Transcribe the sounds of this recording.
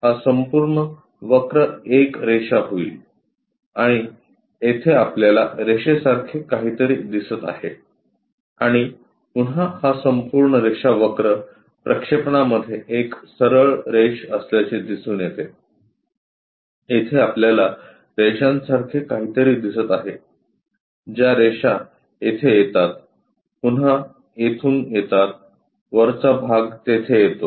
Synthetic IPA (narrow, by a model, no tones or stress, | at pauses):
hasəmpuːɾɳə | ʋəkɾəekɾeʂaɦoḭːl | aɽ̃i | et̪ʰeapljalaɾeɕesaɾkʰekaɦiːt̪əɾiːd̪isət̪a̰he | aɽ̃i | punɦahasəmpuɾɳəɾeʂaʋəkɾə | pɾʔəkʂepɳaməd̪ʱːjeʔeksəɾəɭɾeɕəsljat͡ɕed̪isuːnjet̪e | jet̪ʰeapljala | ɾeɕãnsaɾkʰekaɦiːt̪əɾiːd̪isət̪aɦe | d͡ʑjaɾeʂa | et̪ʰejet̪at̪̚ | pun̤a | jet̪ʰuːŋɡjet̪at̪̚ | ʋəɾt͡sabʱaɡt̪et̪ʰejet̪o